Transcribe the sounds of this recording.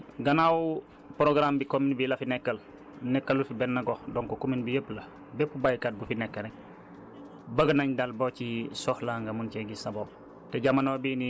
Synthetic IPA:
ɡɐnawu | pɾoɡɾambikominbilɐfinɛkːɐl | nɛkːalufibɛnːɐɡohdoŋkokominbijəplɐ | bepubajkaːt̚bufinɛkːɐɾe | bɐɡɐnaɲdalbocisohlaːŋɡamunceɡisabob̚ | teɟamanobiːni

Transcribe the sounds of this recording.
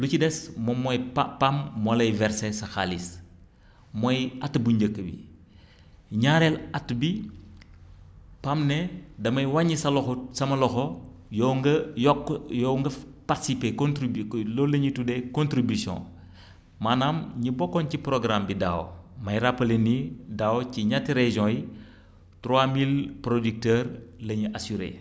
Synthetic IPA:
lucidɛsmɔmːɔjpapamːwɐlɐjvɛɾsɛsɐxalis | mɔjatːbuɲɟəkːəbḭ | ɲaːɾɛlatːbi | pamnɛdɐmɐjwaɲisɐlɔxɔsɐmɐlɔxɔjɔɡjɔkːjɔŋɡɐpatisipekɔntɾilɔlɐɲitudɛkɔ̃ntɾibysjɔ̰̃ | maːnamɲibɔkːɔnciprɔɡɾambidaːw̰mɐjɾapːɐlenidaːwɔciɲatːiɾɛʒɔ̃ji | tɾwamilpɾodik̚tɛːɾlɐɲiʔasyɾḛ

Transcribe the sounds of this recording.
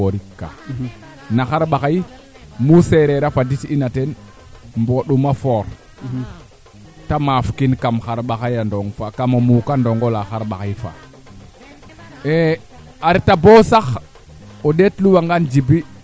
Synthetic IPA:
oɾikːa̰ | naxaɾɓaxaj | museɾeɾafaditinaten | mboɗumafoɾ | tamafkinkamxaɾɓaxajandoŋfakamomukandoŋɡolaxaɾɓaxajfa̰ | e | aɾtabosax | oɗetluwaŋɡand͡ʒibi

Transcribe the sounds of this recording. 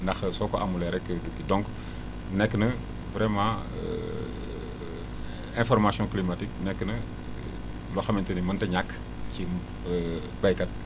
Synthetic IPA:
ndɐxsɔkɔʔamulɛɾɛkːədukːidɔ̃ŋk | nɛkːnə | vɾɛmã | ɛ̃fɔɾmasjɔ̃klimatik̚nɛkːnə | lɔxɐmɛntənimɐntɛɲakː | ci | bɐjkɐt̚

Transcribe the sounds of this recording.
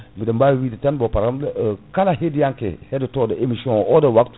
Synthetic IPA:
bidambajwidətanbopaɾamdkalaɦedijaŋkḛhedutodaemisiõodawakt

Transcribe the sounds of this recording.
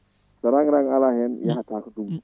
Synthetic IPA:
səɾaŋɾaŋalaɦɛnjaɦat̪ʰakt̪u

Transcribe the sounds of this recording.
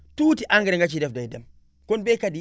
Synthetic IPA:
tuːtiʔaŋɡɛɾŋɡat͡ʃidɛfdajdɛm | kɔnbɛkadi

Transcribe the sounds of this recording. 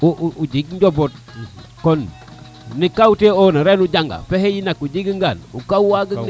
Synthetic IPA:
uud͡ʒiɡɲɟobot | konː | ikauteonaɾenuɟaŋɡa̰fehejinakuɟiɡiŋɡanṵkauwaɡə

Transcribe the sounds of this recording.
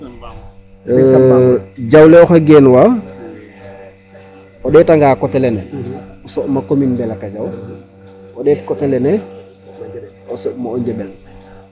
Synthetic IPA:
ɟawlɛɔxaɡɛnwa | ɔɗɛtaŋɡaːkɔtɛlɛnɛɔsɔʔmakominbɛlakaɟaw | ɔɗɛkɔtɛlɛnɛ | ɔsɔʔmaɔɲɟɛbɛn

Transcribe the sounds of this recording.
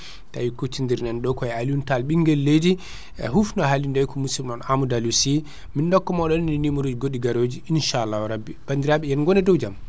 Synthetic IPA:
ta̰wikut͡ʃːindiɾnɛnɗɔkɔɛaluntalɓiŋɡɛlːejdḭ | ɦufnɔɦalindajkɔmusimɗɔnamudalusi | mindɔkːɔmɔɗɔnninimuɾod͡ʒiɡoɗiɡaɾod͡ʒiinʃalːawɾabib̥andiɾaɓɛjɛnɡɔnɛdɔwd͡ʒam

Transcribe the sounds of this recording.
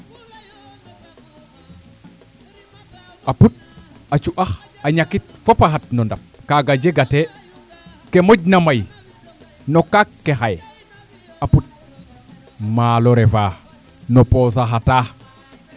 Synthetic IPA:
aput̚at͡ʃuʔaxaɲakit̚fopaxat̚nondap̚kaɡad͡ʒeɡate | kemoɟnamaj | nokakːexaj | aput̚ | maːloɾefaː | noposaxataː

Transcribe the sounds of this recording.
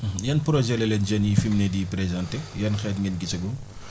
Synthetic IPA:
jɐnpɾɔʒɛlɛlɛnd͡ʒɐnjifimnɛdiːpɾezãntejɐnxɛːtŋinɡit͡ʃɐɡum

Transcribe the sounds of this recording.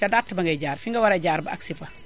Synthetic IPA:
ɐdatːəbɐŋɡɐjɟaːɾfiŋɡɐwɐɾɐɟaːɾbɐɐksifɐ

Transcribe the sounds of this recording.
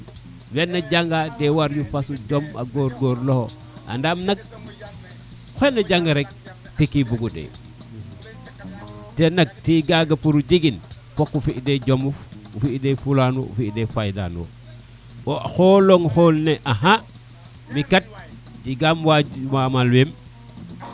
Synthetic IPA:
wenːaɟaŋɡadewaɾjufasuɟoma̰ɡoːɾɡoɾloho̰ | ʔa̰ndamnaɡ̚ | xenaɟaŋɡaɾek̚ | tikibuɡudḛ | tenak̚tiɡaɡapuɾud͡ʒiɡin | pokːufiʔded͡ʒomufufiʔdefulanwo̰ṵfidefajda̰ːnwo̰ | oxoloŋxolneʔaɦa | mikat̚ | d͡ʒiɡamwamamalwem

